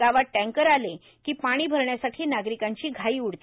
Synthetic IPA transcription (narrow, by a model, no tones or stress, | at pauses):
aʋaʈːɛ̃ŋkəɾale | kiːpaɽ̃iːbʱəɾɳjasaʈʰiːnaɡɾikaɲt͡ɕiːɡʱaiːuɽt̪